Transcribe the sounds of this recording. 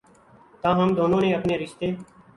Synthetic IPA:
t̪ãːɦəmd̪oːnõːnẽːəpneːɾɪʃt̪eː

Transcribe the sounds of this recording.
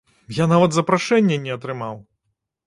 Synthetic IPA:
janavɐt̪zɐpɾaʂɛnʲːɛnʲɛɐt̪ɾɨmaw

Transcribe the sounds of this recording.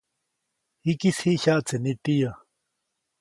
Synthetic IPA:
hikishiʔçaʔt͡senit̪ija

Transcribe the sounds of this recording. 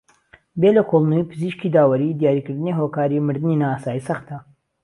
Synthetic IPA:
belɐkʰolˠnuipʰɨziːʃkid̪aːwɐɾiːd̪ijaːɾikɨɾd̪ɨniɦoːkaːɾimɨɾd̪ɨninaːaːsaːjisɐxt̪̚d̪a

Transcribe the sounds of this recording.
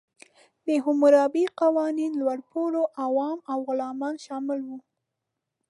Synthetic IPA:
d̪əɦʊmʊɾɑbiqawɑninlwaɽpoɽoʔawɑmawɣʊlɑmɑnʃɑmɪlwu

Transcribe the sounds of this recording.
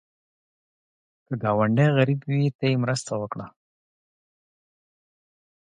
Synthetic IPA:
kəɡɑwaɳɖaɣaɾibwit̪ajemɾəst̪awəkɽa

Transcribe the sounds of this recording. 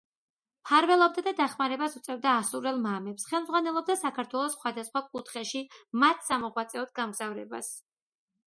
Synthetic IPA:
pʰaɾvɛlˠɔb̚d̪ad̪ad̪aχmaɾɛbasut̪sʼɛvd̪aːsuɾɛlˠmamɛpsχɛlˠmzʁwanɛlˠɔb̚d̪asakʰaɾt̪ʰwɛlˠɔsχwad̪asχwakʼut̪ʰχɛʃimat̪ʰsamɔʁwat̪sʼɛɔt̪̚ɡamɡz̥avɾɛ̰ba̰s

